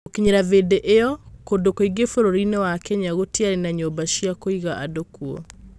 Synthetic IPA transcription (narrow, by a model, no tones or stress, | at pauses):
okiɲeɾavedeʔeɔkondokoiɡefoɾoɾinewakɛɲaɣotiaɾenaɲobaʃiakoiɣaʔadokuɔ̰